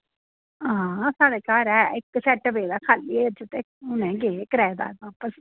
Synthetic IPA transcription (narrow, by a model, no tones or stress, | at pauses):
ãːsaːɽeːkaːɾɛːɪkːsɛːʈəbeːd̪aːkʰaːliːet͡ʃɪt̪eː | ʊnẽːɡeːkəɾɛːd̪a̰ːʋaːpəs